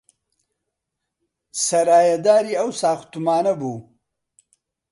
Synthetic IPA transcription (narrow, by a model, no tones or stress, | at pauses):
sɐɾaːjɐd̪aːɾiawsaːxt̪umaːnɐbu